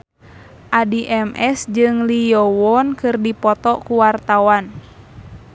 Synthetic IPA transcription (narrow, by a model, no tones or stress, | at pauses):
ʔadiʔɛmʔɛsd͡ʒɨŋlijɔwɔnkɨrdipɔt̪ɔkuwart̪awan